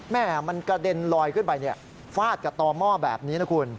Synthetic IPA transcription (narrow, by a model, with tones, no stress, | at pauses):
mɛː˥˩ma˧nka˧de˧nlɔː˧jkʰɯ˥˩npa˧jni˥˩ə | faː˥˩t̪̚ka˨˩p̚t̪ɔː˧mɔː˥˩bɛ̰ː˨˩p̚niː˦˥na˦˥kʰu˧n